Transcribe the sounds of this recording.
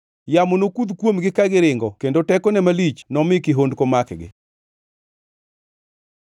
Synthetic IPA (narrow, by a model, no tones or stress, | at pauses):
jamonokud̪kwomɡɪkaɡɪɾɪŋɡɔkendotɛkɔnɛmalit͡ʃnɔmɪkiɦondkomakɡɪ̰